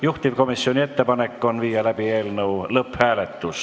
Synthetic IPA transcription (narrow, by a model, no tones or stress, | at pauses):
juht̪iv̥ko̞misːio̞nʲie̞t̪ːe̞pɑne̞kːˑo̞nviːjɑlæb̥ie̞ːlnɤwlɤphæːle̞t̪ːus